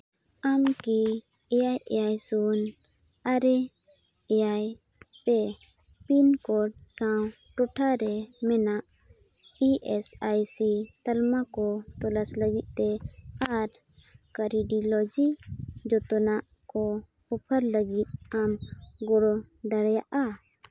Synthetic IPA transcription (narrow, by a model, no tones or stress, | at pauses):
amki | ɛjajɛjajsun | aɾɛ | ɛjaj | pɛ | pinkɔɽsaw | ʈɔʈʰaɾɛmɛnaʔ | iʔɛsajsit̪əlmakɔt̪ɔləsləɡit̪̚t̪ɛaɾ | kəɾiɖilɔd͡ʒid͡ʒɔt̪ɔnaʔ | kɔ | hɔpʰəɾləɡit̪̚amɡɔɽɔd̪əɽjaʔa